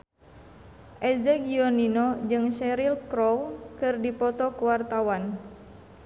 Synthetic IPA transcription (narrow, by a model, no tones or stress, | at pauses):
ʔɛzɛɡiɔninod͡ʒɨŋʃɛɾilkɾɔwkɨrdipɔt̪ɔkuwart̪awan